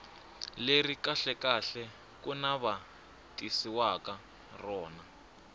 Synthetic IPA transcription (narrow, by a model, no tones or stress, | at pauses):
lerikaɬɛkaɬɛ | kunaβa | tʼisiwaka | rɔːna